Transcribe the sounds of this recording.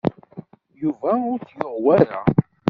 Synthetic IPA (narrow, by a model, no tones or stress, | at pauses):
juvæʊɾt͡sjəʁwæɾa̰